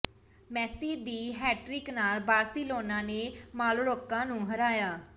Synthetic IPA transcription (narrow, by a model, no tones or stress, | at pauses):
mɛːsiːd̪iːɦɛːʈɾɪknaːlbaːɾsiːloːnãːneːmaːlːɾoːkːãːnũːɦəɾaːjaː